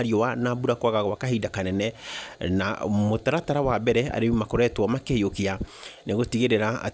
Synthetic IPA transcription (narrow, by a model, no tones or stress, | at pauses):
ɾiɔwanabuɾakwaɣaɣɔwakaɦidakanɛnɛna̰motaɾataɾawabɛɾɛa̰ɾeimakoɾɛtwɔmakeheokianeɣotiɣeɾeɾaa̰